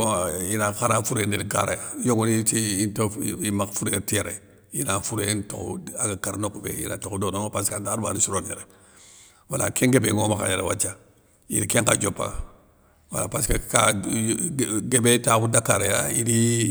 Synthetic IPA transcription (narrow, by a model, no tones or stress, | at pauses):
inakaɾafuɾendinika̰ɾejajoɡunitiintoimafuɾetieɾe | jinafuɾento̰kṵaɡakaɾnokubḛjḭna̰tokdonoŋpaskaːɾba̰nisuɾonjḛɾe | wala̰keŋɡebeŋomaka̰jeɾewat͡ʃa | ḭnikeŋkad͡ʒopːa̰ | wa̰lapaskaka | ɡebetabudakaɾejaiɾi